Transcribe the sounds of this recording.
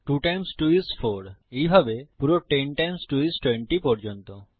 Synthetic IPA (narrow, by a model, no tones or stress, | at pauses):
ʈuʈajmsʈuisfʰoɾejbʱabepuɾoʈenʈajmsʈuisʈweɳʈipɔɾd͡ʑont̪o